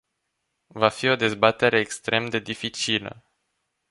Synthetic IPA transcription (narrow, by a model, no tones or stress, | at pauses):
vafio̞d̪e̞zbat̪e̞ɾe̞ːkst̪ɾe̞md̪e̞d̪ifit͡ʃilə̰